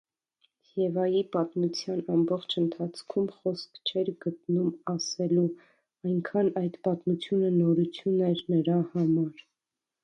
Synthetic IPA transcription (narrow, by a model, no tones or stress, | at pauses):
jɛvɑjipɑt̪mut͡sʰjɑnɑmbɔχt͡ʃʰənt̪ʰɑt͡sʰkʰumχɔskʰt͡ʃʰɛɾɡət̪numɑsɛlu | ɑjŋkʰɑnɑjd̪pɑt̪mut͡sʰjunənɔɾut͡sʰjunɛɾnəɾɑhɑmɑɾ